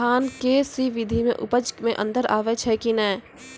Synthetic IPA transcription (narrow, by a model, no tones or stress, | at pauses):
aːnkesiʋɪd̪ʱimḛ̃ʔʊpəd͡ʒmẽʔə̰̃nd̪əɾa̰ːʋet͡ʃʰɛkinɛː